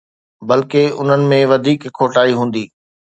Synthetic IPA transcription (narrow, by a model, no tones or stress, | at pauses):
bɐlkeʊ̰n̤ənɪ̆mẽʋɐd̪ʱiːkʰːoːʈaːiɦũːn̆d̪iː